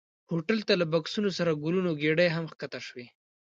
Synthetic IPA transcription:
hoʈalt̪alabaksunosaɾaɡulunoɡeɽajɦamxkat̪aʃwi

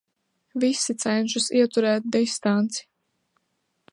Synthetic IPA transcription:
visit̪sɛnʲʃusiɛt̪uɾɛːt̪̚d̪ist̪ant̪si̥

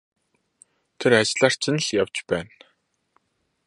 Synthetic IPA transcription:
t̪ʰeɾat͡ɕɮaːr̥t͡sɪ̆nɮjawt͡ɕpæːn

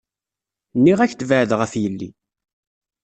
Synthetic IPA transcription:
nːiʁæçt̪ːvəʕðʁəfjəlːḭ

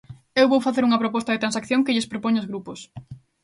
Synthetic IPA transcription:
ewβowfaθeɾuŋɐpɾopɔst̪ɐðet̪ɾansakθjoŋkɪʎɪspɾopoɲoʊzɣɾupos

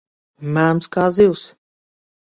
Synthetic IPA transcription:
mæmskaziws

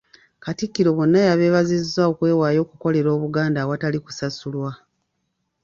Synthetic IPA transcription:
katikːiɾo̞βo̞nːajaβe̞ːβazizːao̞kwe̞ːwaːjo̞ːkuko̞le̞ɾo̞ːβuɡaːndawataliku̥sasulwa

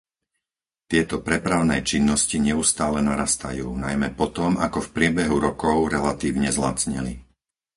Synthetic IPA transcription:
t̪ɪɛt̪ɔpɾɛpɾaʊnɛːt͡ʃinːɔsciɲɛust̪aːlɛnaɾaːst̪a̰juːnajmɛpɔt̪ɔmakɔfpɾɪɛbɛɦuɾɔkɔʊɾɛlat̪iːʊɲɛzla̰t͡sɲɛ̰li

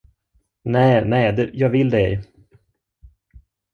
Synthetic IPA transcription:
nɛːnɛːd̪ɛjɑːɡvɪld̪ɛ

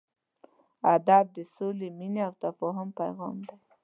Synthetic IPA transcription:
ad̪ɑb̚d̪əsolemineawt̪afɑɦʊmpa̰jɣɑ̰md̪aj

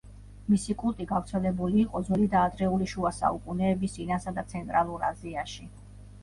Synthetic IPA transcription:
misikʼulˠt̪ʼiɡavɾt̪sʰɛlɛbuliːqʼɔd̪zwɛlid̪aːd̪ɾɛuliʃuasa̰ukʼunɛːbisʼinasad̪at̪sʰɛnt̪ʼɾalˠuɾa̰ziaʃi

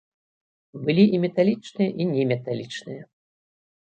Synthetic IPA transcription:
bɨlʲiʔimʲɛt̪alʲit͡ʂnɨjɐʔinʲɛmʲɛt̪alʲit͡ʂnɨjɐ

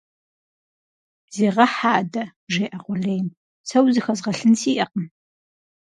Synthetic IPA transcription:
zeːʁɐħaːdɐʒeːʔɐqʷʊɮejm | sɐwzɨxɐzʁɐɬɨnsiːʔɐqəm

